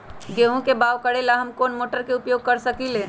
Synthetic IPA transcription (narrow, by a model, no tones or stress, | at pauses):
ɡeɦũkebaːʋkəɽelaɦɐmkoːnmoːʈəɾkeʊpjoːɡ̚kɐɾsɐkileː